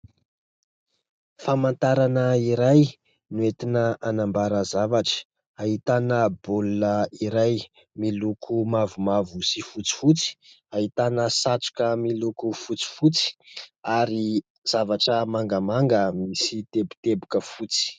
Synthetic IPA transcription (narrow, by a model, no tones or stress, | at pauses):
famant̪aɾanəiɾaj | nuet̪inəanambaɾəzavaʈ͡ʂə̥ | aɦit̪anəbuluəiɾaj | milukʰumavumavusifut͡si̥fut͡si̥ | aɦit̪anəsat͡su̥kəmilukufut͡si̥fut͡si̥aɾi | z̥avaʈ͡ʂəmaŋɡəmaŋɡəmisit̪ebu̥t̪ebukəfut͡si̥